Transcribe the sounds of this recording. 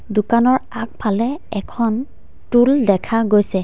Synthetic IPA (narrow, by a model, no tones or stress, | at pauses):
dʊkanɔɹak̚pʰalɛɛkʰɔn | tuldɛkʰaɡojsɛ